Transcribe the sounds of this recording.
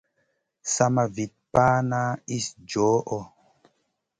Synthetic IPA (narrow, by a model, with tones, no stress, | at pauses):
sa˦ma˨vi˨t̚paː˦na˦i˦sd͡ʒɔː˨˦ʔɔ˦˨